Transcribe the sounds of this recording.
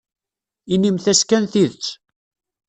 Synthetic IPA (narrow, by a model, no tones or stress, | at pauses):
inimθæskænθiðət͡sː